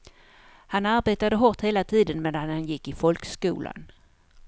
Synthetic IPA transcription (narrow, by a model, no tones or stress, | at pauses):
hanaɾbeːt̪ad̪əɦɔʈ̪heːlat̪ʰiːd̪ənmeːd̪anhanjɪkːɪfɔlkskṵːlʔa̰n